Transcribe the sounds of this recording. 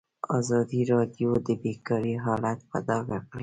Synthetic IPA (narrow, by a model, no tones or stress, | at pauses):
ɑzɑd̪iɾɑd̪jod̪əbekɑɾiɦɑlat̪pa̰d̪ɑɡaqle